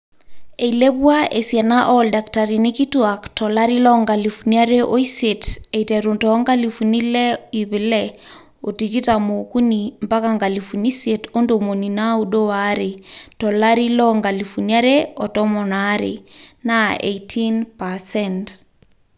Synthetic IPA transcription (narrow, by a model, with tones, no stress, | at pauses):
e˨ile˦βwa˦ʔe˨sjɛ˨na˦ʔɔ˦lda˨kta˨ɾi˨ni˦ki˦twa˨ktɔ˨la˦ɾi˦lɔ˦ŋɡa˨lifu˨nia˦ɾe˦ʔo˦i˦se˨te˨itɛ˨ɾu˨ntɔŋɡa˦li˨fu˨ni˦lɛ˦i˨βi˨lɛ | o˨ti˨ki˦ta˨mo˨ku˦ni˨mpa˦ka˨ŋɡa˨lifu˨ni˦se˨to˦ndo˨mo˨ni˨nau˦ɗo˦waɾe˨tɔ˨la˦ɾi˦lɔŋɡa˨li˨fu˨nia˦ɾeɔ˨tɔ˦mɔ˨naɾḛnaḛjtʰinpasɛnt